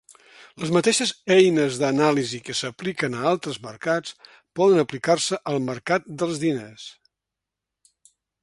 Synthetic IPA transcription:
ləzmət̪eʃəzɛjnəzðənalizikəsəplikənəalˠt̪ɾəzmərkat͡s | pɔðənəplikarsəʔəlˠməɾkat̪̚d̪əlˠzðines

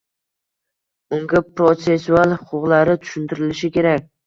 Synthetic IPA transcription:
ʊŋɡʲapɾot̪se̞sːualˠhʊqʰʊqlaɾɪt̪ʰʊ̥ʃʊnt̪ɪɾɪlɪʃɪkʲʰe̞ɾakʲ

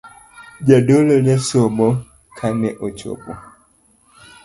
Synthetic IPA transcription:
ɟadolɔnɛsomɔ | kʰanɛʔot͡ʃɔ̰pṵ

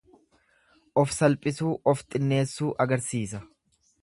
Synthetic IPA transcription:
ʔɔfsɐlpʼɪsuːʔɔft̪ʼɪnːe̞ːsːuːʔɐɡɐɾsiːsɐ

